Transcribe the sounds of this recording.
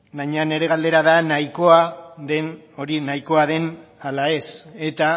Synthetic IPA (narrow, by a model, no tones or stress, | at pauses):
bajɲeane̞ɾe̞ɣ̞ald̪e̞ɾaðanajko̞aðe̞n | o̞ɾinajko̞aðe̞nalae̞se̞t̪a